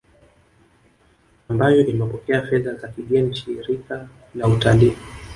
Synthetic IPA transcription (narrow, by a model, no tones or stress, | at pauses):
ambajɔʔimɛpɔkɛafɛðazakiɠɛnt͡ʃiɾika | nautali